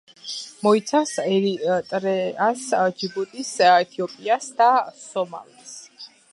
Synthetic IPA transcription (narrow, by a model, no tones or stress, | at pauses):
mɔit̪sʰafsɛɾit̪ʼɾɛasd͡ʒibut̪ʼisɛt̪ʰiɔpʼiasd̪asɔma̰lias